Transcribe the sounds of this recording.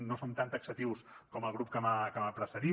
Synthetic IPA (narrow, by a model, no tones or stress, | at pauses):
nosont̪ant̪əksət̪iwskɔməlˠɣ̞ɾup̚kəməkəməpɾəsəɾi